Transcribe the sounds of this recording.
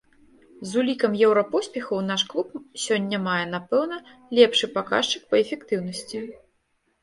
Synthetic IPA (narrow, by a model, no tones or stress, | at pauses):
zulʲikɐmjɛwɾɐpɔsʲpʲɛxɐwn̪aʂklˠup̚sʲɔnʲːɐmajɛn̪apɛwnɐlʲɛpʂɨpaka̰ʂt͡ʂɨ̥k̚pɐɛfʲɛkt̪ɨwnɐsʲt͡sʲi